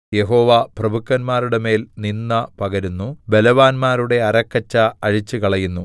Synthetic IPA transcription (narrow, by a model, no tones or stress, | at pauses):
jeɦo̞ːʋaːprɐbʱukːɐnmaːɾuɽeme̞ːlninːɐpɐɣɐɾunːube̞lɐʋaːnmaːɾuɽe̞ɐɾɐkːɐt͡ɕːɐɐɻit͡ɕːukɐɭɐjunːu